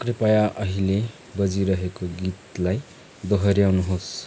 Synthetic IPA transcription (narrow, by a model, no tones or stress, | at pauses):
kripajaʔʌɦile | bʌd͡ziɾʌɦekoɡit̪laj | d̪ʌɦʌɾjawnuɦos